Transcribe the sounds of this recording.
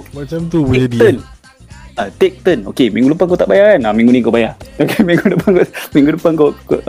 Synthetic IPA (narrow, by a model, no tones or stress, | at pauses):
mat͡ʃamt̪ubuaən | at̪ek̚t̪əno̰kemĩŋɡuləpankot̪aʔbajakanamĩŋɡunikobajaokemĩŋɡudəpankomĩŋɡudəpankokoʔ